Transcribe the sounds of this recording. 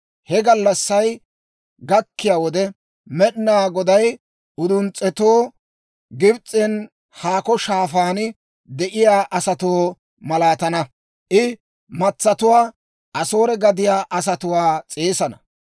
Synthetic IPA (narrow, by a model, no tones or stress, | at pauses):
hɛɡɐlːɐsːɐj | ɡɐkːɪjaːwɔd̪ɛ | mɛɗɪnaːɡɔd̪ɐj | ʊd̪ʊnt͡sʼːɛt̪oː | ɡɪbt͡sʼːɛn | haːkɔʃaːfaːnɪ | d̪ɛʔɪjaːʔɐsɐt̪oː | mɐlaːt̪ɐnɐ | ʔɪ | mɐt͡sːɐt̪ʊwaː | ʔɐso̞ːɾɛɡɐd̪ɪjaːʔɐsɐt̪ʊwaːt͡sʼeːsɐnɐ